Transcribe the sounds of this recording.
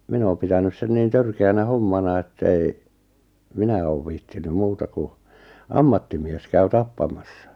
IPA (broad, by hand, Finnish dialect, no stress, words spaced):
min oːm̆ pitænys sen niːn tørkeænæ homːɑnɑ etːæ ei minæ oːʋ ʋiːhtiny muːtɑ ku ɑmːɑtːimies kæy tɑpːɑmɑsːɑ